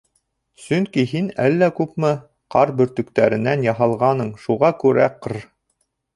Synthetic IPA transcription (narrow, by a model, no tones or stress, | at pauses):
sɵŋkiɦinælːækʉpmɘ | qɑɾbɵ̆ɾt̪ɵ̆kt̪æɾɘ̆nænjɑɦɑlˠʁɑnɤɴʃuʁɑkʉɾæqɤɾ